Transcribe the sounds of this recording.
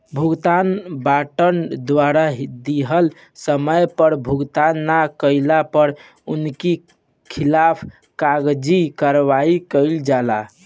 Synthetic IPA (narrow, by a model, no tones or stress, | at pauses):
bʱuɡt̪anbaʈənd̪ʋaɾaɦd̪iɦəl | səməjpəɾbʱuɡt̪anːakəɪlapəɾ | unki | kʰilapʰ | kaɡd͡ʒikəɾβaikəld͡ʒala